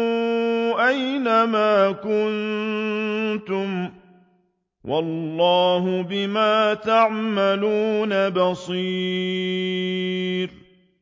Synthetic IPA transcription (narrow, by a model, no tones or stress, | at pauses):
ʔajnamaːkʊn | t̪ʊm | wʔɑlːɑːɦʊbɪmaːt̪aʕmaluːnabɑsˤi | ɾ